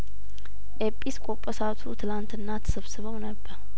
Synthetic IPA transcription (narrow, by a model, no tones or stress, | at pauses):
ʔepʼːiskʼopʼːəsat̪ʰut̪ʰɨlant̪ɨnːat̪ʰːə̥səβsɨβəwnəbːəɾ